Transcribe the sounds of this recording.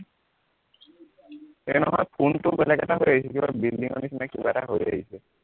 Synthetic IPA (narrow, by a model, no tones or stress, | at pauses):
ɛnɔɦɔjpʰuntʊbɛlɛkɛtaɦojaɦisɛkibabildiŋɔ̰nisinɛkːibataɦoja̰ɦisɛ